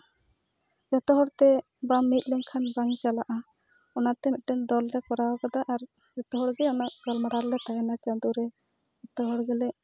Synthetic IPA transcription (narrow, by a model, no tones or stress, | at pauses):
d͡ʒɔt̪ɔɦɔɽt̪ɛ | bamːit̪̚ˀlɛŋkʰanbaŋt͡ʃalaʔa | ɔnat̪ɛmit̪̚ˀʈɛnd̪ɔlɾɛkɔɾawakad̪aʔaɾ | d͡ʒɔt̪ɔɦɔɽɡɛɔnaʔɡ̥ɔlmaɽaɾlɛt̪aɦɛnat͡ʃad̪uɾɛ | d͡ʒɔt̪ɔɦɔɽɡɛlɛ